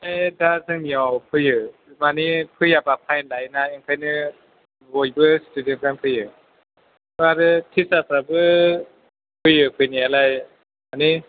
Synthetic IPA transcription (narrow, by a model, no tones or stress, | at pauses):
edazɯŋmiɔwpʰɯjɯmanipʰɯjapapʰajnlajnaiŋpʰajnɯ | wojbɯsi̥tʰudiənkanpʰɯjɯ | baɾɯtʰisapɾabɯ | pʰɯjɯpʰɯjnialaj | mani